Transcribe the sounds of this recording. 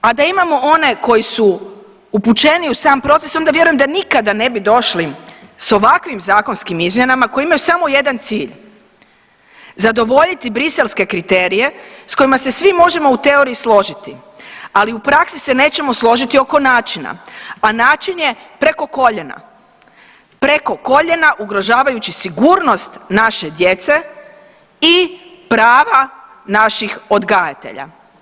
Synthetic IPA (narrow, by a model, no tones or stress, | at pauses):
ad̪aimamo̞o̞ne̞ko̞jisu | uput͡ʃe̞niusaːmpɾo̞t̪se̞so̞nd̪aʋje̞ɾujemd̪anikad̪ane̞bid̪o̞ʃliso̞ʋakʋimzaːko̞nskimizmje̞namako̞jiimajusamo̞je̞d̪ant̪siːʎ | zad̪o̞ʋo̞ʎit̪ibɾise̞lˠske̞kɾit̪e̞ːɾije̞sko̞imase̞sʋimo̞ʒe̞mo̞ut̪e̞o̞ɾijislˠo̞ʒit̪i | aliupɾaksise̞ne̞ːt͡ɕe̞mo̞slˠo̞ʒit̪io̞ko̞naːt͡ʃina̰anaːt͡ʃinje̞pɾe̞ko̞koʎena̰ | pɾeko̞ko̞ʎe̞naʔuɡɾo̞ʒaːʋajut͡ɕisiɡuːɾno̞st̪naʃe̞d̪je̞t̪se̞ | i | pɾaːʋa | naʃixo̞d̪ɡajat̪e̞̰ʎa̰